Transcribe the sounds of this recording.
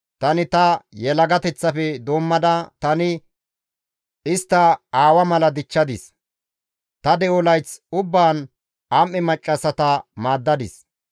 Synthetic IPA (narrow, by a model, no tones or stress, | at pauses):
t̪ɐnɪt̪ɐjɛlɐɡɐt̪ɛt͡sːɐfɛd̪oːmːɐd̪ɐt̪ɐnɪ | ʔɪst̪ːɐaːwɐmɐlɐd̪ɪt͡ʃːɐd̪ɪs | t̪ɐd̪ɛwɔlɐjt͡sʊbːaːn | amːɪmɐt͡ʃʼːɐsɐt̪ɐmaːd̪ːɐd̪ɪs